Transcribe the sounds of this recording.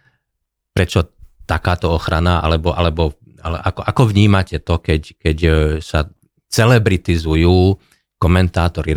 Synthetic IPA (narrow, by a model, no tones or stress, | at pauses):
pɾɛt͡ʃɔt̪akaːt̪ɔɔxɾanaʔa̰lɛbɔʔalɛbɔ | alɛʔakɔʔakɔʋɲiːmacɛt̪ɔkɛckɛcsa | t͡sɛlɛbɾit̪izujuː | kɔmɛnt̪aːt̪ɔɾi